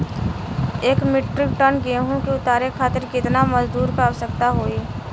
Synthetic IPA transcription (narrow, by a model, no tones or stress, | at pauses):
eːkmɪʈɾɪk̚ʈənɡeːɦõkeʊt̪aːɾekʰaːt̪ɪɾkɪt̪namɐzd̪uːɾkaːʋsəkt̪aɦoːiː